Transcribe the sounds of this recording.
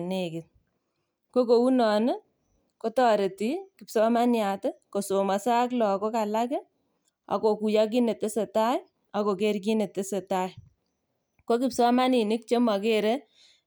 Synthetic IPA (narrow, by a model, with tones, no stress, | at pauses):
ne˨kɪ˨t̚ | ko˦ko˨u˦nɔ˨nɪ˦ | ko˦tɔ˨ɾe˨ti˦kɪ˨psɔ˦ma˦nja˨tɪ˦ko˨so˨ma˨sa˦k̬lɔ˨ko˦ka˨la˦ke˦ | a̰˨ko˨ku˨ja˦k̬i˦ne˨tɪ˦se˨ta˦j | a˨ko˨ke˦ɾk̬i˦ne˨tɪ˦se˨ta˦j | ko˦kɪ˨psɔ˦ma˦ni˨nɪ˦k̚t͡ʃe˦ma˨ke˦ɾe˦